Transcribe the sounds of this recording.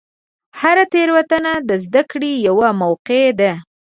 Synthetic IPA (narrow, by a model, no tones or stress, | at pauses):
haɾat̪eɾwat̪anad̪əzd̪akɽijawamawqed̪a